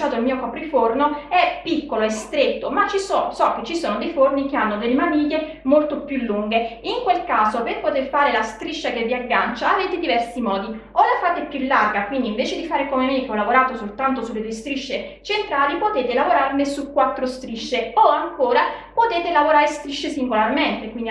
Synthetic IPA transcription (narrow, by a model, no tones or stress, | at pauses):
t͡ʃaːt̪oilmiːokɔpɾifornoɛpːikːoloest̪ɾet̪ːomat͡ʃːisɔsɔk̟ːet͡ʃːisoːnod̪ejfornik̟eanːod̪elːemamiːʎːe | molt̪opjulːuŋɡeiŋkwelkaːzoperpot̪erfaːɾelast̪ɾiʃːak̟evːiaɡːant͡ʃaːveːt̪ed̪ivɛrsimɔːd̪i | olafaːt̪eɛpːjulːarɡakwind̪iɱveːt͡ʃed̪ifaːɾekomeamikeɔlːavoɾaːt̪osolt̪ant̪osulːed̪uest̪ɾiʃːet͡ʃent̪ɾaːlipot̪eːt̪elavoɾarnesukːwat̪ːɾost̪ɾiʃːeoaŋkoːɾapot̪eːt̪elavoɾaːɾest̪ɾiʃːesiŋɡolarment̪ekwind̪